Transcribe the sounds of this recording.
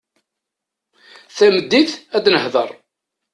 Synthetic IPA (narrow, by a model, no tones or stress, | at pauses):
θæməd̪ːiθæd̪nəhðəɾˤ